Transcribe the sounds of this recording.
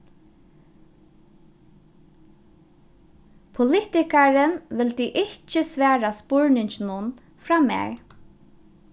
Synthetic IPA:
pʰʊlɪt̪ɪkaɾənʋɪlt̪iːʔɪht͡ʃəsʋæːɾaspɔɹnɪɲt͡ʃɪnʊn | fɾaːmɛ̰ːɣ

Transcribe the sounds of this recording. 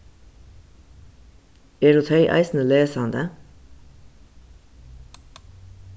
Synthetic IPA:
eːɾut̪hœʏʔæ̰ɪsn̩əleːsɑnd̪ə

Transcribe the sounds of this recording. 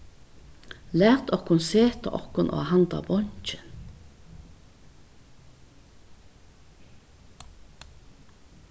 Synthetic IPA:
læːʁt̪ʰɔkʊnseːt̪ʰɑ̰ʔɔkʊnʔo̰ːhɑnd̪ɑ̰bɔɲt͡ʃən

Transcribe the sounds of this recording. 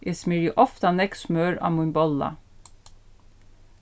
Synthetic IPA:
ʔesmɪɹəʔɔft̪ɑnɛksmœːɹɑ̰ːmʊmbɔlɑ̰

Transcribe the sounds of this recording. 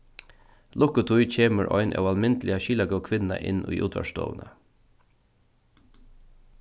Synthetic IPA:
lʊkʊt̪ʰʊjcʰeːməɹʔɔʏnʔɑ̰wɑlmɪnt̪lɪaʃiːlaɡœkʰʋɪnna̰ʔɪnʔʊ̰jʔṵːt̪ʰʋæ̰ʂt̪ɔ̰ːʋnə

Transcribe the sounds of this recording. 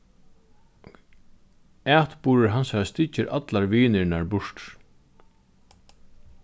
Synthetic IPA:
æːt̪buːɾɪɹɦansaɾast̪ɪt͡ʃːɪɾʔa̰t̪laɹʋiːnɪnaɹbʊʂt

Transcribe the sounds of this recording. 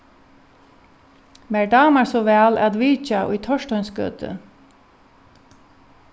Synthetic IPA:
mɛɹɖaːmaɹsɔʋɛːla̰t̪ʋiːt͡ʃaʔʊ̰jt̪ʰɔʃtœʏnskœ̰ːt̪ɪ̰

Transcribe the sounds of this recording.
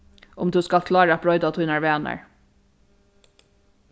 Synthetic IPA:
ʔʊmd̪ʉːskɑlkʰlɑːɹɑbʰɹɔʏd̪ɑt̪ʰʊʏnɑɹʋeːnə̰ɹ

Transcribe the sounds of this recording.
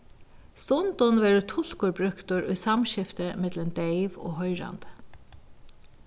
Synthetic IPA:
st̪ʊnt̪ʊnʋɛːɾʏt̪ʰʊl̥kʊɹbɾʏkt̪ʊɾʊ̰jsamʃɪft̪əmɛt̪lənd̪eɪʋo̰ːɦɔʏɹa̰nd̪ə̥

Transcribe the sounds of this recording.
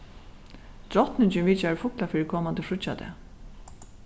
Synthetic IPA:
d̪̥ɾɔt̪nɪɲt͡ʃɪnviːt͡ʃaɪfʊklafiːɾɪkʰɔːmant̪əfɾʊt͡ʃːat̪ɛ̰

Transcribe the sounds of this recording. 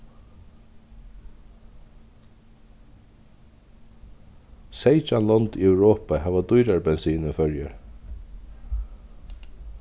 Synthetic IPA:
sejd͡ʒanlɔnt̪iœwɾɔːpaɦaːvad̪ʊjɾaɹbɛnsiːnɪnfœɹjə̰ɹ

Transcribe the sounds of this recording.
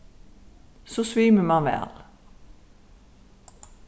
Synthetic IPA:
soːsʋiːməmɑːʋæ̰ːl

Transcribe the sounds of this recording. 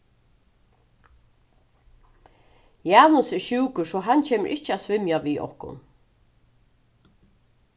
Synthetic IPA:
jaːnʊsɪʃʉːkʊʂɔɦant͡ɕʰeːmə̰ʔɪht͡ʃːɪasvɪmjaviːʔɔ̰hkʊ̰n

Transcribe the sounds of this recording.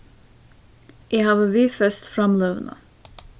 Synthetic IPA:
ʔeːhɑːʋəʋiːfœst̪fɾɑmløːʋnə̰

